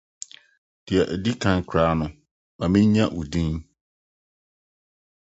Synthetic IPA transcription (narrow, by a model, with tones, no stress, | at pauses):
d̥ɪ˨a˨ʔdi˦kʰã˦ŋkʰɾaː˦nʊ̃˨ | ma˨mĩ˦ɲ˦ɲã˦ʔu˨dĩ˦n